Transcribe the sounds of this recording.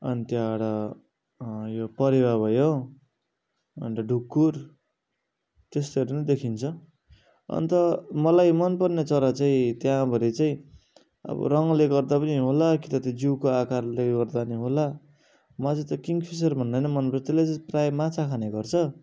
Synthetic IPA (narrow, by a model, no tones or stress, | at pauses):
ʌnit̪jãaɽʌ | jopʌɾibabʱʌjo | ʌ̰nt̪ʌɖʱukːur | t̪est̪eɾenʌd̪ekʰint͡sʰʌ | ʌ̰nt̪ʌmʌlajmʌnpʌrnet͡sʌɾʌt͡saĩt̪jãbʱʌɾit͡saĩ | ʌ̰bʌ̰ɾʌŋleɡʌrd̪apʌniɦolakit̪ʌt̪id͡ziwkoakarleɡʌrd̪aniɦola | mʌt͡saj̃t̪ʌkiŋɡpʰis̬ʌrbʱʌnd̪ʌjnʌmʌnpʌrt͡sʰʌt̪elet͡saĩprajmat͡sʰakʰaneɡʌrt͡sʰʌ